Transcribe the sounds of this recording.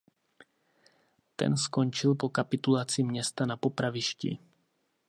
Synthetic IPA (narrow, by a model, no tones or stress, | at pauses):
t̪ɛ̰nsko̞nt͡ʃɪlpo̞kapɪt̪ulat͡sɪmɲɛst̪anapo̞pɾavɪʃcḭ